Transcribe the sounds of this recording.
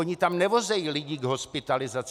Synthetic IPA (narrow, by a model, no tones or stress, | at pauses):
oɲit̪amnɛvozɛjilɪɟiɡɦospɪt̪alɪzat͡s